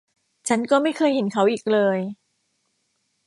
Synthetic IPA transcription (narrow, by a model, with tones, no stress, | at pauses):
t͡ɕʰa˦˥nkɔː˥˩ma˥˩jkʰɤː˧jhe˨˦nkʰa˦˥wʔiː˨˩k̚lɤː˧j